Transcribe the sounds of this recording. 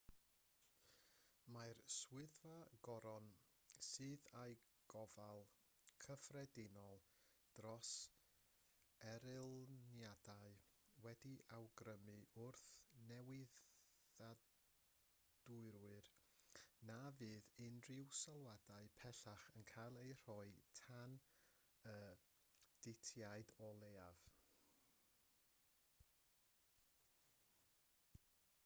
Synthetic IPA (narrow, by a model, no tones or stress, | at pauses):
majrswɪðvaɡ̥ɔɾɔn | sɨːðajɡ̥ɔvalˠ | kʰəfrɛdɪnɔlˠd̥rɔs | ɛɾɪlˠnjadaɨwɛdiʔawɡɾəmɨʊrθnɛwɪða | d̥ʊɨɾwɨr | navɨːðɪnrɪwsɔlˠwadaɨpʰɛɬaχənkʰalˠejr̥ɔɨtʰan | əː | d̥ɪtʰjaɨdɔlˠeːav̥